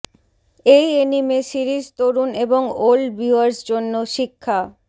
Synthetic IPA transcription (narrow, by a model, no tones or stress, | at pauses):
ejenimesiɾid͡ʑt̪oɾuneboŋolbiaɾsd͡ʑonːoʃikʰːa